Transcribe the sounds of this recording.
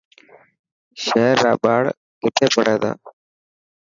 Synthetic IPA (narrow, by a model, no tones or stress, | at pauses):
ʃeːɾːa̰ːɓaːɽ | kɪʈ̪ʰeːpəɽeːd̪a̰ː